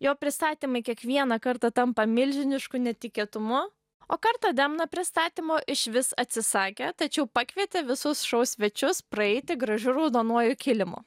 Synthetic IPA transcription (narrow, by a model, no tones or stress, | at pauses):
joːpʲɾʲɪst̪ɑːt̪ʲiːmɐɪkʲiɛkʋʲiɛnɐkɐɾt̪ɑt̪ɐmpɐmʲɪlʲʒʲɪnʲɪʃkʊnʲɛt̪ʲɪkʲiɛːt̪ʊmʊ | oːkɐrt̪ɐd̪ʲɛmnɐpʲɾʲɪst̪ɑːt̪ʲiːmoːʔɪʃʋʲɪsɐt̪ʲsʲɪsɑːkʲet̪ɐt͡ʃʲɛʊpɑːkʋʲiɛt̪ʲeʋʲɪsʊsʃɐʊsʲʋʲɛt͡ʃʲʊspɾɐɛɪt̪ʲɪɡɾɐʒʲʊɾɐʊd̪oːnuɔjʊkʲɪlʲɪmʊ̰ː